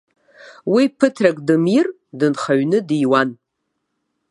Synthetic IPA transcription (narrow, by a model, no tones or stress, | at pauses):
wipʰɨtʰrakʼdɨmir | dɨnχaɥnɨdijwan